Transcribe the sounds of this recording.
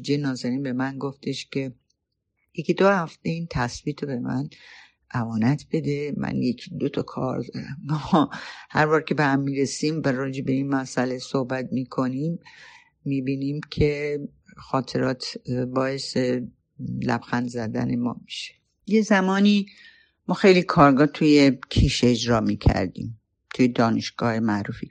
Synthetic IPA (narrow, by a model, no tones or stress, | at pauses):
d͡ʒejnɒːzeɾiːnbe̞mænɡoft̪ʰe̞ʃcʰe̞ | jecid̪ohæft̪e̞int̪ʰæsb̥iːt̪ʰobe̞mæ̰n | ʔævɒːnæt̪ʰb̥e̞d̪e̞mʔæ̰njekʰid̪ot̪ʰɒkʰɒ̰ːɾd̪ɔɾæmːɒhæɾvɒːɾcʰe̞behæmːiːɾesimæɾɒːd͡ʒe̞be̞inmæsæle̞sohbæt̪̚ʰmiːkʰo̞nimː | iːbiːnimcʰe̞ | xɒːt̪ʰe̞ɾɒːt̪ʰbɒːe̞se | læ̰b̥xænd̪zæd̪æ̰ne̞mɒ̰ːmiʃe̥ | jezæmɒːni | mɒːxe̞jlikʰɒːɾɡɒːt̪ʰujecʰiːʃeːd͡ʒɾɒːmiːcʰæ̰ɾd̪ḭːm | t̪ʰujed̪ɒːne̞ʃɡ̥ɒːhemæʔɾuːfi